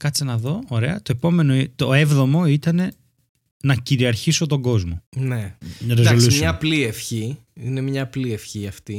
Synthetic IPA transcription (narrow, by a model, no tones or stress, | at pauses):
kɐt͡sinɐðo̞oɾe̞ɐt̪oepo̞me̞noit̪oevðo̞mo̞it̪ɐne̞ | nɐciɾiɐɾçiso̞t̪o̞ɡo̞zmonenɐɾezaolusɲɐpliefçi | ine̞mɲɐplie̞fçiɐft̪i